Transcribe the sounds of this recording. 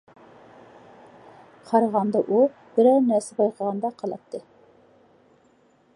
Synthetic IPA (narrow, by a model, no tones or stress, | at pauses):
qʰɑɾɑʁɑnd̪ɑʔu | b̥ɪɾɛɾnæɾsɪbɑjqʰəʁɑnd̪ɑqʰɑlˠɑ̰t̪ʰːɨ